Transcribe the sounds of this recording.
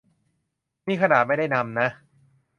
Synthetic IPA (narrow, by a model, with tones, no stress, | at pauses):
miː˧˩kʰa˧naː˨˩ma˥˩jda˥˩jna˧mna˦˥